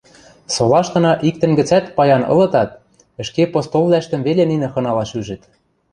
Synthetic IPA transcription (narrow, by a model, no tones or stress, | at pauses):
solɑʃt̪ɤ̆nɑʔik̚t̪ɘ̆nɡɘ̆t͡sæt̪pɑjɑnɤ̰̆lɤ̆t̪ɑt̪̚ | ɘ̆ʃkepost̪ollæʃt̪ə̆mβeleninɘ̆xɤ̆nɑlɑʃyʒɘ̆t̪